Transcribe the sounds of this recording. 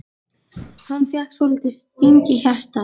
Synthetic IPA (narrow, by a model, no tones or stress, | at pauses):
hanːfjaht̪svɔlɪt̪ɪst̪iɲcɪçar̥t̪a